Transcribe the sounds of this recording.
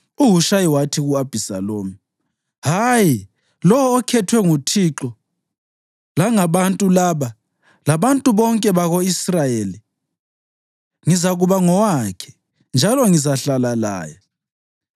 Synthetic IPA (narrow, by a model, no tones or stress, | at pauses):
uɦuʃajiwatʰiɣuab̥ʱisa̰loːmi | ɦaji | lɔwɔːkʰɛtʰwɛŋutʰiǁɔ | laŋaβantʼulaːβa | laβantʼuβɔŋkʼɛβaɣoisrajeːli | ŋizaɣuβaŋɔwakʰɛ̥ | nd͡ʒʱalɔŋizaɬalala̰ːja